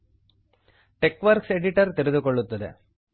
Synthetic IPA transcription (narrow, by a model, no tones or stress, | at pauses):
ʈɛkːʋɐɾkseɽɪʈɐɾt̪ɛɾɪnd̪ɯkɔɭːɯt̪ːɐðḛ